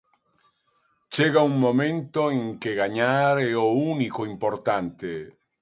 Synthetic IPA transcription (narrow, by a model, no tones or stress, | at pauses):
t͡ʃeɣauŋmomẽnt̪oeŋkeɣaɲaɾeounikoimpoɾt̪ant̪e